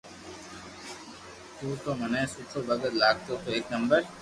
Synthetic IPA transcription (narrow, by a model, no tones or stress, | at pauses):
t̪uːt̪omɐnɛ̃sutʰobɐɡət̪laːɡ̚t̪ot̪oeːknɐmbəɾ